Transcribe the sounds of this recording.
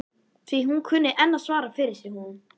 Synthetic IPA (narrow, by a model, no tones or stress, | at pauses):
θviɦunkʰʏnːɪʔɛnːasvaːɾafɪɾɪɾ̥sɪhunʏm